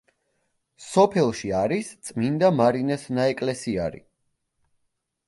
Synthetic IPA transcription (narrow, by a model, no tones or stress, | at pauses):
sɔpʰɛlˠʃiaɾist̪sʼmind̪amaɾinɛsnaɛkʼlɛsia̰ɾḭ